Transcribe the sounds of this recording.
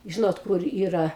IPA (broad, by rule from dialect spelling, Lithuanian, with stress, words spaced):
ˈʒʲɪnoːt ˈkʊr ˈiːrɐ